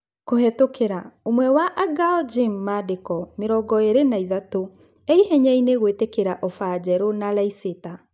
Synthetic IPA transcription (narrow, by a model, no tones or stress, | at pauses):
kohetokeɾaomwɛwaʔaɡaɔd͡ʒimːadekɔmeɾɔɡɔeɾenaiðato | eihɛɲɛineɣwetekeɾaʔɔfad͡ʑɛɾonalaiseta